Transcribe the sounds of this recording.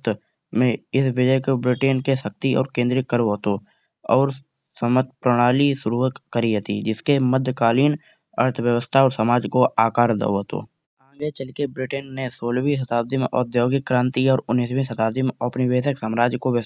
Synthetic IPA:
t̪ | mẽɪsbɪd͡ʒəekobɾɪʈeːnkesək̚t̪iɔ̰ːɾkẽːnd̪ɾɪkːəɾʋoːt̪o | ɔːɾ | səmət̪pɾəɽ̃aːlisʊɾuːɦəkːəɾiɦət̪ḭd͡ʒɪskeməd̪ʱkaːliːn | ə̰ɾt̪ʰwjəwəst̪ʰaɔːɾsəmaːd͡ʒkoʔaːkaːɾd̪ə̰ot̪o̰ː | ãːɡet͡ʃəlkebɾɪʈenːesoːlwis̬ət̪aːb̚d̪ɪmɔ̰ːɾd̪joːɡekːɾãːnt̪iɔːɾʊnːiːswisət̪aːbd̪ɪməpnibeːsəksəːmɾaːd͡ʒkoʋ

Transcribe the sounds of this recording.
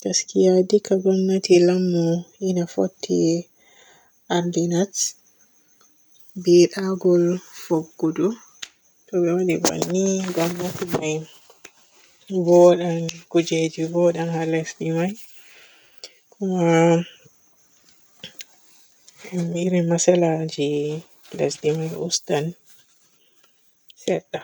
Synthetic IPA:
taskijadikaɡɔnːatilamːɔinafo̰tʰːḭ | ʔaɾdinat | biɗaɡɔlfoɡːudu | tɔɓɛwaɗiba̰nːiɡɔmːɔtmaj | bɔɗankud͡ʒed͡ʒibɔɗanhalɛsdimaj | kʰuma | iɾimasɛlad͡ʒi | lɛsdimajʔṵstan | sɛtːa

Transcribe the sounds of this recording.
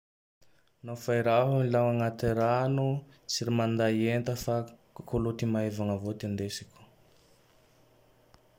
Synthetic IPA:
nafajɾaɦamilaŋaŋat̪iɾanu | t͡siɾimand̪aient̪əfakkulut̪imaevaŋəvot̪end̪esi̥kʲu̥

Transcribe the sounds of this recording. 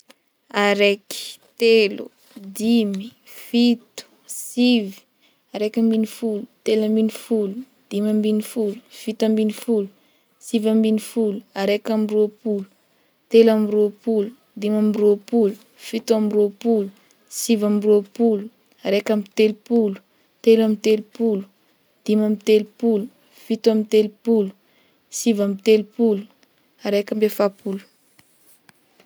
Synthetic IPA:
aɾeki̥t̪elu | d̪imi | fit̪u̥ | sivi̥ | aɾekʲambinifulut̪elambinifulu | d̪̥imambinifulu̥fit̪ambinifulu̥ | sivambinifuluaɾekamiropulu | t̪elamiropulu̥ | d̪imamiropulu̥ | fit̪uamiropulu | sivamiropulu | aɾekamit̪elupulu̥ | t̪elamit̪elupulu̥ | d̪̥imamit̪elupulu̥ | fit̪uamit̪elupulu̥ | sivamit̪elupulu̥ | aɾekambefapulu̥

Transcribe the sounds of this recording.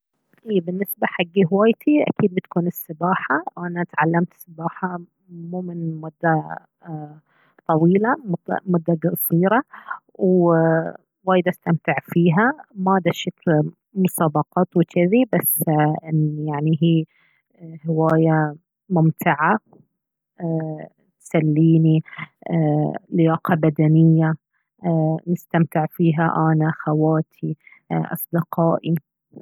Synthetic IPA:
ʔiːbɪnːɪsbaħaɡːiɦwaːjt̪ʰiʔa̰kiːd̪̚bɪt̪kuːnɪsːɪbaːħaʔanat̪ʕalːamt̪sːɪbaːħa | muːmɪnmʊd̪ːa | t̪ˤɑwiːlamʊd̪mʊd̪ːadɡsˤiːɾɑ | w | waːjɪd̪ʔast̪amt̪ɪʕfiːɦamad̪aʃakl | mʊsɑːbɑqɑːt̪wɪkʰɪðibasːɪnjaʕniɦiː | hɪwaːja | mʊmt̪ɪʕa | t̪salːiːni | lɪjɑːqɑbad̪anɪjːa | nɪst̪amt̪ɪʕfiːɦaʔanaʔaxawaːt̪ʰi | ʔɑ̰sˤd̪ɪqɑːʔi

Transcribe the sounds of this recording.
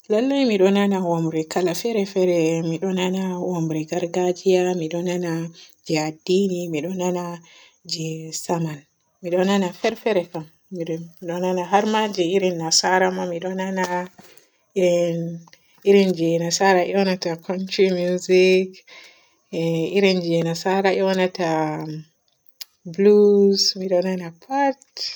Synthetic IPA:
lalːajmiɗɔnanawamɾikalafɛɾɛfɛɾɛmiɗɔnanawamɾɛɡaɾɡad͡ʒijamiɗɔnanad͡ʒɛadinimiɗɔnana | d͡ʒɛsaman | miɗɔnanafɛɾfɛɾɛkamː | iiɗɔnanaɦaɾmad͡ʒiiɾinːasaɾamamiɗɔnana | iɾɛ | iɾɛnd͡ʒɛnasaɾaʔɛwanatakʰɔnt͡ʃɾimuzik | iɾɛnd͡ʒɛnasaɾaʔɛwanata | blusmiɗɔnanapʰat

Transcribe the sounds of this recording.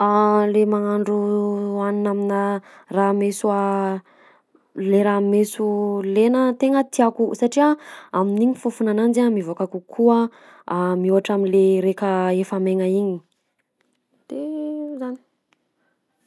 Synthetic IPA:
alemaŋaɳɖ͡ʐuaninaminə | ramesua | leɾamesulenət̪eŋət̪iakusaʈ͡ʂiaaminiɲifufunanand͡ʒamivokakukʰuə | amiuaʈ͡ʂaminleɾekəefameŋəiɲi | d̪̥ezani̥

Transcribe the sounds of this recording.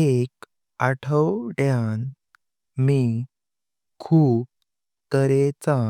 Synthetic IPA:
ek | aʈʰəwʈjãn | mi | kʰuːp̚ | t̪əɾet͡sa

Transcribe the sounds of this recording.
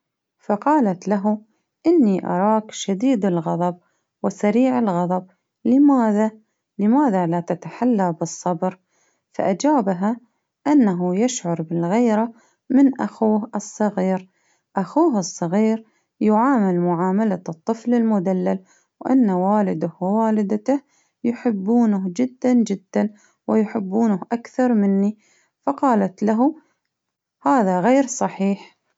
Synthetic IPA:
fɑqɑːlat̪laɦu | ʔɪnːiʔɑ̰ɾˤɑːkʃad̪iːd̪ɪlɣɑðˤɑb̚ | wɪsaɾiːʕɪlɣɑðˤɑb̚ | lɪmaːða | lɪmaːðalat̪at̪aħalːabɨsˤːɑbɾ | fa̰ʔad͡ʒaːbaɦa | ʔanːaɦujaʃʕʊɾˤbɪlɣeːɾa | mɪnʔaxuːhɨsˤːɑɣiːɾ | ʔaxuːɦɨsˤːɑɣiːɾ | jʊʕaːmalmʊʕaːmalat̪ˤːɨflɪlmʊd̪alːal | wʔa̰nːawaːlɪd̪ahwɪwaːlɪd̪at̪ah | jʊħɪbːuːnʊhd͡ʒɪd̪ːand͡ʒɪd̪ːan | wɪjʊħɪbːuːnʊhʔakθɑɾˤmɪnːi | fɑqɑːlat̪laɦu | haːðaɣeːɾsˤɑħiːħ

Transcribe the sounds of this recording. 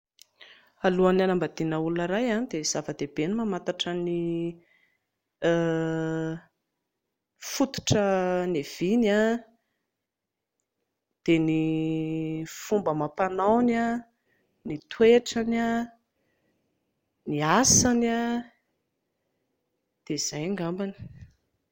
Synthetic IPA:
aluananambad̪inəulunəɾajanid̪ez̥avəd̪eb̥enimamat̪aʈ͡ʂəni | fut̪u̥ʈ͡ʂənev̥ina | d̪̥eni | fumbəmapanawna | nit̪ʰweʈ͡ʂana | niasana | d̪̥eiz̥ajŋɡambani̥

